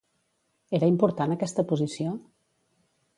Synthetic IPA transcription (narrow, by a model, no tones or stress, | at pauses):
eɾəimpuɾt̪anəkɛst̪əpuzisio